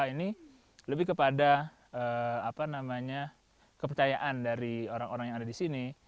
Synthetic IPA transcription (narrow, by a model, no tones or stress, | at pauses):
ini | ləbɪhkəpada | ʔəːapanamaɲa | kəp̬ərt͡ʃajaʔandaɾioɾaŋoɾaŋjaŋadadisini